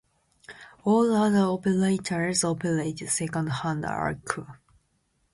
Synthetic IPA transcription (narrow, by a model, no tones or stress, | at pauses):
ɔlaðə˞ɔpəɹeɪtʰəɹzɔpʰəɹeɪtdsɛkə̃ndhãnda̰ɹkʰu